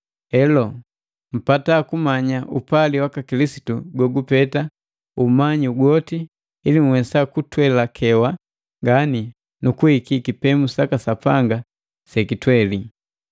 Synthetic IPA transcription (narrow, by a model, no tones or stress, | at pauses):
ɛlɔ | m̩patakumaɲaʔupaliwakakilisi̥tuɡɔɡupɛta | umaɲiuɡɔtiː | lim̩wɛsakutwɛlakʰɛwa | ŋɡani | nukuhikikipɛmusakasapaŋɡa | sɛkitwɛli